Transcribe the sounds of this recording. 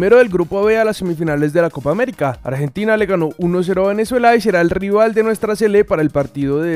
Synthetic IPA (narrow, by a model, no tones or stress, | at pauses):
me̞ɾo̞ðelɡɾupoaβealasːe̞mifinale̞zd̪e̞lako̞paːme̞ɾikaa̰ɾxe̞nt̪inale̞ɣano̞ʔuno̞s̬e̞ɾoaβe̞ne̞swelais̬e̞ɾaelriβald̪enwe̞st̪ɾase̞lepaɾaelpaɾt̪iðo̞ðe